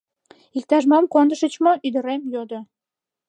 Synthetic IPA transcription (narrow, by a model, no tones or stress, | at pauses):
ik̚t̪ɑʒmɑmkond̪əʃət͡ɕmoʔyd̪əɾemjod̪o